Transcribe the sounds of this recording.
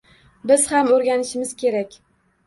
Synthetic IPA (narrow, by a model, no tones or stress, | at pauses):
bɪz̥hamɵɾɡʲanɪʃɪmɪz̥kʲʰe̞ɾakʲ